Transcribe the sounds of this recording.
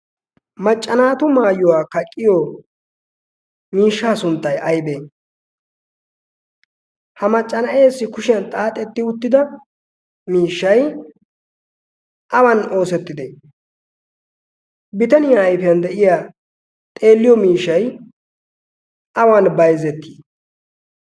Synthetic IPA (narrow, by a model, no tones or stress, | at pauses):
mɐt͡ʃʼːɐnaːt̪ʊmaːjʊwaːkɐkʼːɪjɔ | miːʃːaːsʊnt̪ːɐjʔɐjbeː | hɐmɐt͡ʃʼːɐnɐʔe̞ːsːɪkʊʃɪjɐnt̪ʼaːt̪ʼːɛt̪ːɪʊt̪ːɪd̪ɐ | miːʃːɐj | ʔɐwɐno̞ːsɛt̪ːɪd̪eː | bɪt̪ɐnɪjaːjfɛjɐnd̪ɛʔɪjaː | t̪ʼe̞ːlːɪjɔmiːʃːɐj | ʔɐwɐnbɐjzɛt̪ːiː